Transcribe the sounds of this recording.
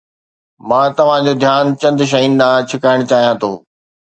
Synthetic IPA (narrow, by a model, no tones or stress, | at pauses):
mãːt̪ɐʋ̤ãd͡ʑoːd̪ʱjaːnt͡ɕɐ̃nd̪ʃ̬ɐinɗ̪ãːt͡ɕʰɪkaːɪɽ̃t͡ɕaːɦijãt̪ʰo̰ː